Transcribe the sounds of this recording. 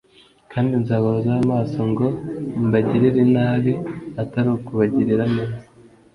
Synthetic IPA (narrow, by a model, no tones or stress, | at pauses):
kʰaːndinzaːɡoɾozaβamaːsoŋɡo̞mbaɟiɾiɾinaːβiataɾukuβaɟiɾiɾaneβe